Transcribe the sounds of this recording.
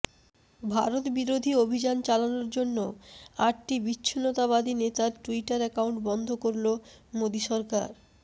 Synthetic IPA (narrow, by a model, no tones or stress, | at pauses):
bʱa̰ɾot̪biɾod̪ʱiobʱid͡ʑant͡ɕalanoɾd͡ʑonːoaʈʈibitːɕʰinɔt̪aβad̪ʱinet̪aɾʈuiʈaɾɛkawɳʈbɔnd̪ʱokoɾlomod̪iʃɔɾka̰ɾ